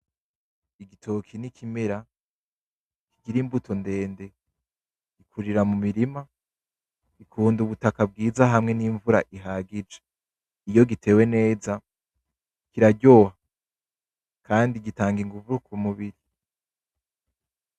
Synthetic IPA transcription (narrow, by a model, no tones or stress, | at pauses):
iɡitʰo̞kʰinikʰimeɾa | kiɡiɾimbutʰo̞nde̞ːnde̞ | ikʰuɾiɾamumiɾima | ikʰuːnduβutakab̚ɡiːzaɦamŋe̞niɱvuɾaʔiɦaɡid͡ʒe̥ | ijo̞ɡitʰe̞ːwe̞ne̞ːza | kiɾaɟo̞ha | kʰaːndiɡitaːŋɡiŋɡuvuɾukʰumuβiɾi